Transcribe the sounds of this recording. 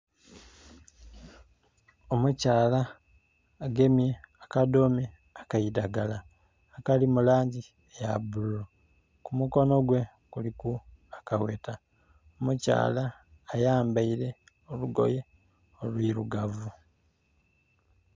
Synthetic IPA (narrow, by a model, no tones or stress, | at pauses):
o̞mucaːlaː | ɡe̞mje̞akadome | akaidaɡalaː | kalimulaːɲɟi | ejabululo | kumuko̞no̞ɡwe̞ | kulikuakaweːta | omuca̰ːlaː | jaːmbaiɾe̞ | oluɡo̞̰je̞ | olwiɾuɡavu